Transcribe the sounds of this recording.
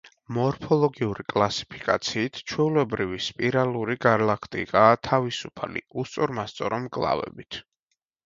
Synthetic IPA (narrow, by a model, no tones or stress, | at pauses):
mɔɾpʰɔlˠɔɡiuɾikʼlˠasi̥pʰi̥kʼat̪sʰiːt̪ʰt͡ʃʰwɛulɛbɾivispʼiɾalˠuɾiɡaɾlakʰt̪ʼḭkʼaːt̪ʰavisupʰa̰lḭust̪sʼɔɾmast̪sʼɔɾɔmkʼlˠa̰vɛ̰bit̪ʰ